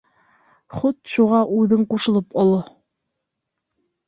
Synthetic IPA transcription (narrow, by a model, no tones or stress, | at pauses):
χut̪ʃuʁɑʔʉðɘɴquʃɤ̆lˠɤpɑlˠɤ